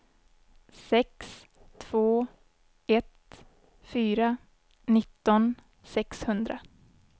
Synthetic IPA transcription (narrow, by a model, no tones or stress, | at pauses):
sɛks | t̪ʰv̥oː | ɛt̪ | fyːɾa | nɪt̪ːɔn | sɛkshɵnd̪ɾa